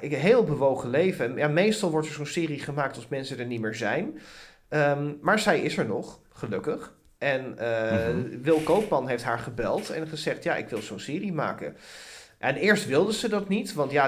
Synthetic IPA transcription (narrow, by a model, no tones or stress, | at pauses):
ɪɦeːlˠbəʋowχəlejvəjamejstɑlˠʋɔɹtɛɹzonsɪːriχəmaːk̚tɑlˠsmɛnsədɛɹnimɪːɹzɛjn | əmaːɹzɛjɪsɛɹnɔχ | χəlɵkəχ | ʔɛnəʋɪlˠkowpmɑnɦejftɦaːɹχəbɛlˠtɛ̰nχəzɛχtjaːʔɪ̰kʋɪlˠzownsɪːrima̰ːkə̰ʔɛnɪːɹstʋɪlˠdəzədɑtnitʋɑntja